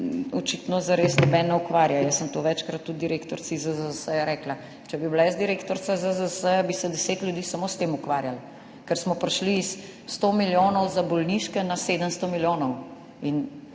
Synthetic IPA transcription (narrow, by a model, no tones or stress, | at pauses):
ɔt͡ʃit̪nɔzaɾeːsnɔbɛnɔukʋaːɾjajəsːəmt̪oʋɛt͡ʃkɾat̪ːut̪d̪iɾekt̪ɔɾsizəzəsəjaɾɛkla | t͡ʃɛbiblaəzd̪iɾekt̪ɔɾt̪sazəzəsəjabisɛd̪ɛseːt̪lʲjud̪iːsamoːst̪eːmukʋaɾjal | kɛɾsmɔpɾʃliːsː | t̪omiljoːnɔwzabɔlniʃkɛnaseːd̪əmst̪ɔmiljoːnɔw | in